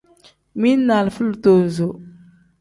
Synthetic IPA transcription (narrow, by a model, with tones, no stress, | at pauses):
mi˦na˨lfə˦lto˨n˨zo˨